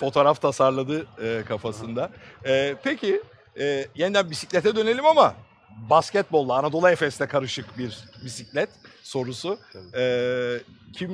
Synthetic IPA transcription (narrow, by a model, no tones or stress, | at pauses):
fo̞t̪ʰo̞ːɾaft̪ʰasaɾlˠad̪ɯɯːkʰafasɯnd̪aɛːpʰecʰi | ɛːjenid̪ænbisiclʲɛt̪ʰɛd̪ø̞ne̞lʲimama | bascɛt̪̚bo̞lˠːaːnad̪o̞lˠaefɛsnɛkʰaɾɯʃɯkbiɾbisiclʲɛt̪so̞ɾusuɛː | cʰim